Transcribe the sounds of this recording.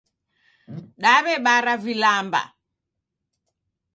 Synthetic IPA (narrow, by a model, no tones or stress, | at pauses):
ɗaβɛɓaɾavilamba̰